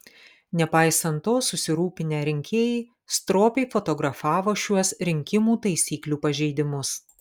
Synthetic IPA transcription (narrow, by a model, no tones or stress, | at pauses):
nʲɛpɑˑɪsɐnt̪ːoːsʊsʲɪɾuːpʲɪnʲæːɾʲɪŋʲkʲeːjɛ | st̪ɾoːpʲɛɪfɔt̪ɔɡɾɐfɑːʋoːʃʲuɔsɾʲɪŋʲkʲɪmuːt̪ɐɪsʲiːklʲuːpɐʒʲɛɪd̪ʲɪmʊs